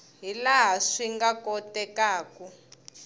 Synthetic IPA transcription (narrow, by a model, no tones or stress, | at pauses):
ɦilaɦaʂiŋɡakɔtɛkaːku